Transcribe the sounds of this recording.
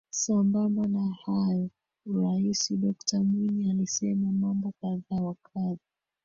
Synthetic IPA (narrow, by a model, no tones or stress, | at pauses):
sambambanahajɔ | uɾaisiɗɔktamwiɲialisɛmamambɔkaðaːwakʰazi